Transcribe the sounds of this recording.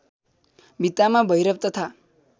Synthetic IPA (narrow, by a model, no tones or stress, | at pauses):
bit̪amãbəjɾəp̚t̪ət̪ʰa